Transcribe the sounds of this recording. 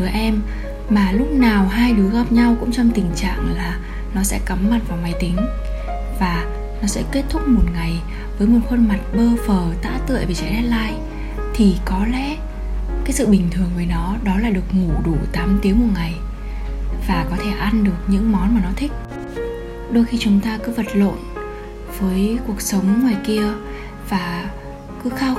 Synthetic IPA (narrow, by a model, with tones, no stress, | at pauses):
ɨ˨˦ʔɛ˧m | maː˨˩lʊ˦˥k͡p̚naː˨˩wɦaː˧jɗɨ˨˦əɣaː˦˥p̚ɲa˧wkʊ̰˧˥ŋ͡mt͡ɕɔ˧wŋ͡mt̪ï˨˩ŋ̟t͡ɕa̰ː˧˨ŋlaː˨˩ | nɔ˨˦sɛ̰˧˥kə˨˦mma˨˩t̚vaː˨˩wma˨˦jt̪ï˨˦ŋ̟ | vaː˨˩ | nɔ˨˦sɛ̰˧˥ke˦˥t̚t̪ʰʊ˦˥k͡p̚mo˨˩t̚ŋa˨˩j | vəː˨˦jmo˨˩t̚xə˧nma˨˩t̚ɓəː˧fəː˨˩t̪a̰ː˧˥t̪ɨ̰˧˨jve˨˩t͡ɕa̰˧˥ɗɛ˦˥t̚laː˧j | t̪ʰi˨˩kɔ˨˦lɛ̰˧˥ | kaː˨˦jsɨ̰˧˨ɓï˨˩ŋ̟t̪ʰɨ˨˩əŋvəː˨˦jnɔ˨˦ɗɔ˨˦laː˨˩ɗɨ˨˩ək̚ŋu˧˩ɗu˧˩t̪aː˨˦mt̪i˨˦əŋmo˨˩t̚ŋa˨˩j | vaː˨˩kɔ˨˦t̪ʰe˧˩ʔa˧nɗɨ˨˩ək̚ɲɨ̰˧˥ŋmɔ˨˦nmaː˨˩nɔ˨˦t̪ʰï˦˥k̟̚ | ɗo˧jxi˧t͡ɕʊ˨˦ŋ͡mt̪aː˧kɨ˨˦və˨˩t̚lo̰˧˨n | vəː˨˦jku˨˩ək̚sə˨˦wŋ͡mŋwaː˨˩jki˧ə | vaː˨˩ | kɨ˨˦xaː˧w